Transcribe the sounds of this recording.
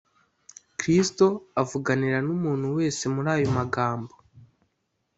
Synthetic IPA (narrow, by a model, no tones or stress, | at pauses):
kɾisto̞avuɡaniɾanumuːn̥huwe̞ːse̞muɾaːjo̞maɡaːmbo̞